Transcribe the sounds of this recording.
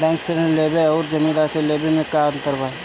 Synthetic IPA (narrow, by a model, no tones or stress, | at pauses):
ɖɛ̃ːŋksenəlleːbeɔːɾd͡ʒɐmĩɾaːseleːbemẽkaənt̪əɾba